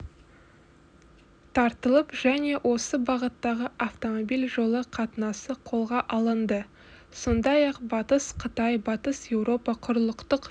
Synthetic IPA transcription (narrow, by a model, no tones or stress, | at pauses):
t̪ʰɑɾt̪əlˠəpʒ̥æne̞wʔo̞səbɑʁət̪ːɑʁəʔaft̪o̞mo̞bilʲʒo̞lˠəqʰɑt̪ənɑsəqʰo̞lˠʁɑʔɑlˠənd̪ə | so̞nd̪ɑjɑqbɑt̪əsqʰət̪ɑjbɑt̪əsje̞wɾo̞pɑqʰʊɾəlˠəqt̪əq